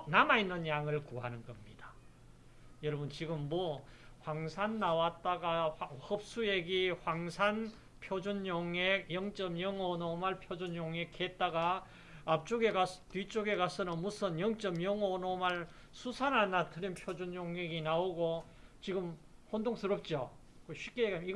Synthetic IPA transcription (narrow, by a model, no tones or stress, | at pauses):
namainːɯnjaŋɯɭkuɦanɯnɡʌmɲid̥a | jʌɾʌbɯnt͡ɕiɡɯmːʌhwaŋsʰanːawat̚t͈aɡahʌp̚s͈ujeɡihwaŋsʰan | pʰjod͡ʑunjoŋek̚jʌŋt͡ɕ͈ʌmjʌŋonomaɭpʰjod͡ʑunjoŋekʰet̚t͈aɡaː | p̚t͡ɕ͈oɡeɡatwɥit͡ɕ͈oɡe̞kasʰɯnʌnmusʰɯnjʌŋt͡ɕ͈ʌmjʌŋonomaɭ | sʰusʰananatʰɯɾinpʰjod͡ʑunjoŋɦeɡinaoɡo | t͡ɕiɡɯmhondoŋs͈ʰɯɾʌp̚t͡ɕ͈io | koɕʰip̚k͈eɡaiɡ